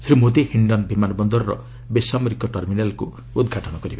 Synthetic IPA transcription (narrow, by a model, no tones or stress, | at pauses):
t̪ʰɾimot̪ehiɳɖʌnbʱimanɔbɔnd̪ɔɾrɔ̰ | besameɾikɔʈʌrminalko | ud̪ɡʱaʈɔnʌɡʌɾiba